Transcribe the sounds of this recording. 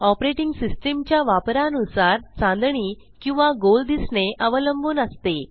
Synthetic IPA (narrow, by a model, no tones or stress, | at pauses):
ɔpɾeʈiŋɡsisʈemt͡ɕjaʋapɾanusaɾt͡sãnd̪ɳiː | kĩw̃ʋaɡold̪isɳeʔəʋələmbʱuːnəst̪e